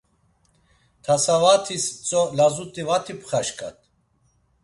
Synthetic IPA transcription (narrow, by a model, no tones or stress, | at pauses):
t̪ʰasavat̪ʰist͡sʼɔlazut̪ʼivat̪ʰipʰχaʃkʼa̰t̪ʰʼ